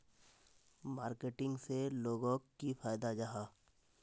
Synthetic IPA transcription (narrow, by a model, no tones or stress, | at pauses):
maːɾkeʈɪ̃ŋɡseloːɡõːkːipaːjd̪ad͡ʒaɦaː